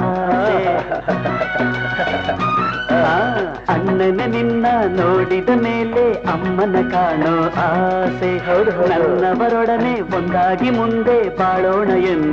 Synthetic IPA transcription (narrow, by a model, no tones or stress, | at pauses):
se | a | ɐnːɐneninːɐnoːɽid̪ɐmeːleɐmːɐnɐkaːɳoaːsenɐnːɐʋɐɾɔɽɐneːond̪aːɡimund̪e̞baːɭoːɳɐjen